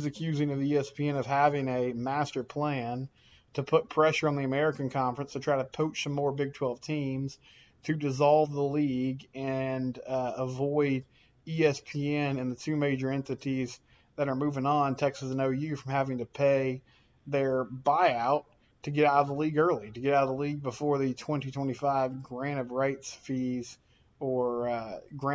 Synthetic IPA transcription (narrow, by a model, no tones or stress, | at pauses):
zɨkʰj̥ʉzɪ̃ŋʌvðiiɛspʰiɛ̃nʌv̥hævɪ̃ŋɨmæstə˞pʰl̥æ̃n | tʰɨpʰʊt̚pʰɹ̥ɛʃə˞ə̃nðiɨmɛɹɨkɨ̃nkʰɑ̃ɱfɹɨ̃nstʰɨtʰɹ̥aɪɾəpʰoʊt͡ʃsʌ̃mːɔɹbɪɡ̚tʰw̥ɛlˠv̥tʰĩmz̥ | tʰɨdɨzɑlˠvðəliɡɨ̃nəvɔɪɾ | iɛspʰiɛ̃nɨ̃nðɨtʰʉmeɪd͡ʒə˞ɛ̃ntɨɾiz | ðɨɾə˞mʉvɪ̃ŋə̃ntʰɛksɨsɨ̃noʊjɪɹfɹʌ̃mhævɪ̃ŋtɨpʰeɪ | ðə˞baɪaʊtʰ | ɨɡɛɾaʊɾʌvðəliɡɜ˞lˠiɾɨɡɛɾaʊɾəðəliɡ̚bəfɔɹðɨtʰw̥ɛ̃ntitʰw̥ɛ̃ɾ̃ifaɪvɡɹæ̃ɾ̃ʌvɹaɪtsfiz | ə˞ɡɹæ̃